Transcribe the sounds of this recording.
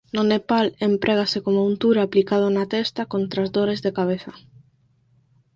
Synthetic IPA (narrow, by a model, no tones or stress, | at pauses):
nʊnepalempɾʔɛɣ̞asekomount̪uɾaplikað̞ʊnat̪ɛst̪akont̪ɾazðoɾezðekaβ̞eθa